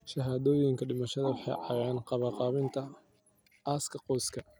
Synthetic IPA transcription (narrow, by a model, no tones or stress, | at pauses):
ʃɐɦaːðɔːjɪŋkʰɐɖɪmɐʃɐðɐwʊħɑ̰jʕɑjaːnqɑβɐqɑːβɪnt̪ʰɐ | aːskʰɐqɔːskʰɐ